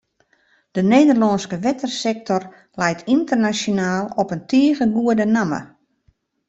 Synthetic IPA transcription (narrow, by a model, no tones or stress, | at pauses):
d̥ənejdərlɔnskəʋɛtərsɛk̚tɔr | lɛjtʰintərnasjonaːlˠɔpəntiəɣəɡuədənamə̰